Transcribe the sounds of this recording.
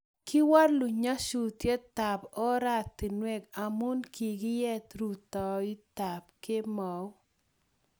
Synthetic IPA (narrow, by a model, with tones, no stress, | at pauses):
kɪ˦wa˦ɾlu˨ɲa˦ʃu˨tje˦t̪a˨pɔ˦ɾa˦t̪ɪ˨nwɛ˦ka˨mu˦nkʰi˨ɡɪ˦jɛ˦t̪ɾu˨t̪ɔ˨i˦t̪a˨p̚kɪ˦mɔ˨w